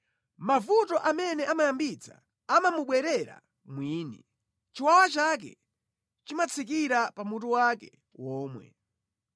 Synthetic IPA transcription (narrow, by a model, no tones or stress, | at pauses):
mavutɔʔamɛnɛʔamajambit͡sʰa̰ | amamuɓwɛɾɛɾa̰ | mwiːni | t͡ʃiwawat͡ʃak̬ɛ̰ | t͡ʃimat͡sʰik̬iɾapamutuwakɛ | wɔːmwɛ̰